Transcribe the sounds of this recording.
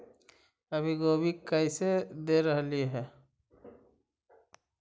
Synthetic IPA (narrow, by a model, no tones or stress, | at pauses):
əbʱiɡoːbʱikəɪsed̪eɾəɦliɦɛː